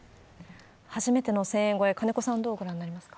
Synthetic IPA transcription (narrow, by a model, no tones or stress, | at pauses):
haʑimet̪e̞no̞sẽ̞ẽŋɡo̞ekane̞ko̞sãnd̪o̞ːɡoɾãnːaɾʲimasɨ̥kḁ